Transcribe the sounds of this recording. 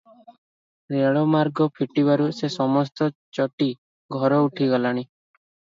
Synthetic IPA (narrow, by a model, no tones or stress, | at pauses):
ɾeɭɔmaɾɡɔpʰiʈibaɾusesɔmɔst̪ɔt͡ʃɔʈi | ɡʱɔɾɔuʈʰiɡɔlaɽ̃i